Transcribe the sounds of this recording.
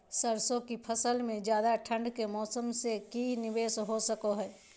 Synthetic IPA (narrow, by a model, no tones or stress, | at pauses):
səɾsõkipʰəsəlmẽd͡ʒjaːd̪aʈʰə̃ɳɖkemɔːsəmsekinibeːsɦosəkoɦɛː